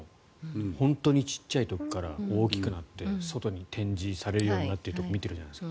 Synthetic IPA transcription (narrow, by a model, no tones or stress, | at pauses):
hõ̞nt̪o̞ːɲ̟it͡ɕi̥ɕːait̪o̞kʲi̥kaɾa̰o̞ːkʲi̥kɯ̟nat̪ːe̞so̞t̪o̞ɲ̟it̪ʰẽ̞ɲ̟d͡ʑisaɾe̞ɾɯ̟jo̞ːɲ̟inat̪ːeiɯ̟t̪okomʲit̪e̞ɾ̟d͡ʑanaeska